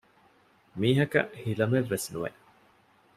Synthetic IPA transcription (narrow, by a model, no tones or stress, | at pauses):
miːɦɐkɐ̰ʔhilɐmeʋːesnuʋḛʔ